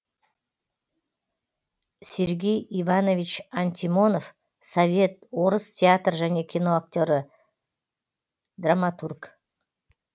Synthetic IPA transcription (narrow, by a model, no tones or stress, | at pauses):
sʲe̞ɾɡʲe̞jivano̞vʲit͡ʃant̪ʲimo̞nof | sovʲe̞t̪̚wo̞ɾəst̪ʲʰeat̪rʒæne̞kʲʰino̞ak̚t̪ʲo̞ɾə | d̪ramat̪urk